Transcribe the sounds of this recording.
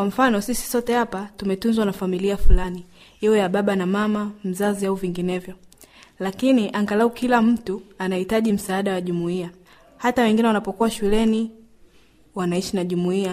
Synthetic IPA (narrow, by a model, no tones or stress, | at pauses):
kwam̩fanɔsisi̥sɔtɛhapatumɛtunzwanafamiliafulani | iɔjaɓaɓanamamam̩zaziauviŋɡinɛvjɔ | lakiniʔaŋɡalaukilam̩tuanahitaʄim̩saːɗawaʄumuia | hatawɛŋɡinɛwanapɔkuwaʃulɛni | wanaiʃinaʄumuia